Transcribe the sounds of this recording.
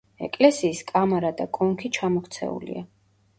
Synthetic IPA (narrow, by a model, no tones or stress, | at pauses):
ɛ̰kʼlɛsiːskʼamaɾad̪akʼɔŋkʰit͡ʃʰamɔkʰt̪sʰɛ̰ṵlḭa̰